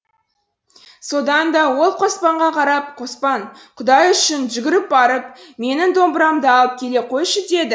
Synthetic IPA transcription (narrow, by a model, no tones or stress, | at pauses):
so̞d̪ɑnd̪ɑwo̞lˠqʰo̞spɑɴʁɑqʰɑɾɑp̚qʰo̞spɑnqʰʊd̪ɑjʏʃɪnʒʏɡʲɪɾɪp̚bɑɾəp̚me̞nɪŋd̪o̞mbəɾɑmd̪əɑlˠəp̚kʲʰe̞le̞qʰo̞jʃət̪e̞d̪ɪ